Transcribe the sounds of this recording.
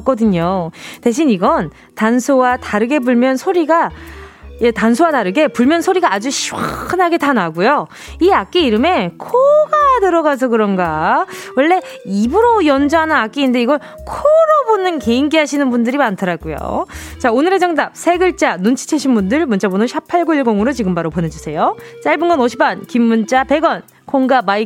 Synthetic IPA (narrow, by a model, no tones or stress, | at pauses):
k͈ʌdɯɲote̞ɕ̬ʰiniɡʌn | tansʰowataɾɯɡe̞buɭmjʌnsʰoɾiɡa | jetansʰowataɾɯɡe̞puɭmjʌnsʰoɾiɡaːd͡ʑuɕʰiwa̰ɯnɦaɡe̞tanaɡujo | iak͈iiɾɯme̞kʰoɡanɯɾʌɡas̬ʰʌkɯɾʌnɡawʌɭːe̞ | ibɯɾojʌnd͡ʑaɦanɯnak͈iːnde̞iɡʌɭ | kʰoɾobonɯnke̞inɡeɦaɕʰinɯnbundɯɾimantʰɯɾaɡujo̰ | t͡ɕaonɯɾed͡ʑʌŋdap̚sʰe̞ɡɯɭt͡ɕ͈anunt͡ɕʰi̥t͡ɕʰeɕʰinbundɯɭmont͡ɕ͈abonɯnɕʰapʰaɭɡoiɭɡoŋɯɾot͡ɕiɡɯmbaɾopone̞d͡ʑusʰe̞jot͡ɕ͈aɭbɯnɡʌnʌɕʰi̥pankimːunt͡ɕ͈ape̞ɡʌn | kʰoŋɡamai